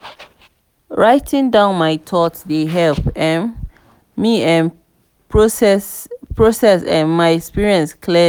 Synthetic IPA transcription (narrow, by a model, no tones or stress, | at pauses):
ɹaɪtʰĩŋdãʊ̃nmajtʰɔtdeɦɛlpɛ̃n | miɛ̃n | pɹosɛsɛ̰̃nmaɪɛkspiɹiɛ̃nskʰlɛ